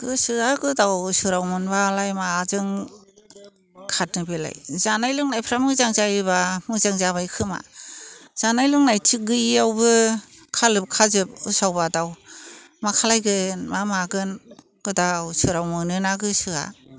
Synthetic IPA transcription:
ɡ̥ɯsɯaɡɯdawsɯɾawmɯnbalajmaːzɯŋ | kʰat̚nɯbela̰jzanajlɯŋnajpʰɾamɯzaŋzajiβamɯzaŋzaβajkʰɯma̰ | z̥anajlɯŋnajtʰiɡɯiawbɯkʰalɯp̚kʰazɯp̚ɯsawbadaw | makʰalajɡɯnmamaɡɯn | ɡ̥ɯdawsɯɾawmɯnɯnaɡɯsɯa̰

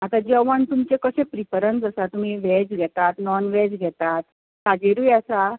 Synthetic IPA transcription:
at̪ad͡ʑəʋəɳt̪umt͡ɕekəɕẽpɾipəɾənd͡zəsat̪um̤iʋɛd͡ʑɡʱɛt̪at̪nɔnʋɛd͡zɡʱɛt̪at̪ | kad͡ʑeɾujəsa

